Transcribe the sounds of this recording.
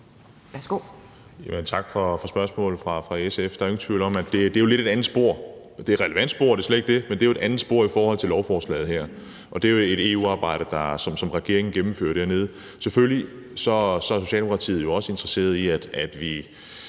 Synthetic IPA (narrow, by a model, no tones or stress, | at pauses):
ʋæsɡ̥o̰ | jæmənt͡sʰɑ̈ɡ̥fɒ̽fɒ̽sb̥ɶɐsmɔ̰̽ːl̩ˠfʁɑ̈fʁɑ̈esefd̥ɑ̈æont͡sʰʋḭʊ̰l̩ɒ̽mæd̥e̝d̥e̝jo̝le̝ɾ̥e̝ɾænð̩ˠsb̥o̝ɐ̰ | d̥e̝ɐʁɛləʋæn̰d̥sb̥o̝̰ɐ̰d̥e̝sled̥eɡ̥̚de̝mend̥e̝joe̝ɾænð̩ˠsb̥o̝ɐ̰ifɒːhɒ̽l̰t͡sʰe̝lɒʊfɒːslɛ̰ːð̩ˠhæɐ̰ | ʔɒ̽d̥e̝joe̝ɾ̥e̝ːṵːɑ̈ːb̥ɑ̈ɪ̰ɾ̥ɐd̥ɑ̈sɒ̽msɒ̽mʁɛɡ̥e̝̰ɐ̰eŋn̩ɡ̥emm̩fø̰ɐdd̥æɐne̝ð̞̩ˠ | sefølli | sɒ̽sɒ̽æɐso̝ɕɛ̰ldeokʰɑ̈t͡sʰḭːð̩ˠjo̝ɒ̽səe̝nd̥ʁɐse̝̰ːɐðˠiæd̥æd̥ʋi